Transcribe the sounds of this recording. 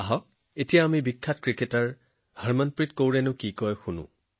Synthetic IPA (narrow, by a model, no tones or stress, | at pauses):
aɦɔk̚ | etijaːmibikʰːatkɹiketaɹ | haɹmanpɹitkowɹɛnʊ̃kikɔjxunʊ̰̃